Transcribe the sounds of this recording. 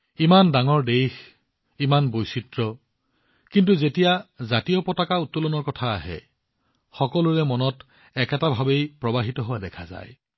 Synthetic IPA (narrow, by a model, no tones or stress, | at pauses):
imandaŋɔɹdejx | imanbojsitɹɔ | kintuzetijazatijɔpɔtakautːɔlɔnɔɹkɔtʰa̰ːɦɛ̰ | xɔkɔluɹɛmɔnɔt | ɛkɛtabʱabejpɹɔbaɦitɔɦʊwadɛkʰaza̰j